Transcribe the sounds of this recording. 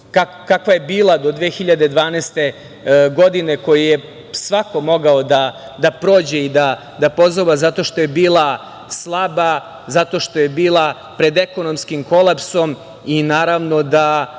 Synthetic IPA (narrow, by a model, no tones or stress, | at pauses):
kakkakʋaje̞biːlˠad̪o̞d̪ʋeːxiʎad̪e̞d̪ʋaːnest̪e̞ | ɡo̞d̪ine̞ko̞jije | sʋako̞mo̞ɡaod̪a | d̪apɾo̞ːd͡ʑeid̪a | d̪apo̞zoʋazat̪o̞ʃt̪oje̞biːlˠa | slˠaba | zat̪o̞ʃt̪o̞je̞biːlˠa | pɾe̞d̪e̞ko̞no̞mskimko̞lˠapso̞m | inaːɾaʋno̞d̪a